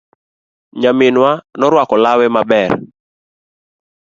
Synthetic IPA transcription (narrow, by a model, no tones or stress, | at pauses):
ɲamɪnwanɔɾwakɔlawɛmabɛr